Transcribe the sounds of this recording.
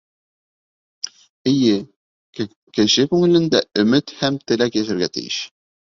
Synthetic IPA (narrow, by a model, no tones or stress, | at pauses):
ɘ̆jɘ | kɘ̆ɕɘkʉŋɘ̆lɘ̆nd̪æʔɵ̆mɘt̪hæmt̪ɘ̆lækjæʃæ̆ɾɡæt̪ɘ̰̆jɘ̰ʃ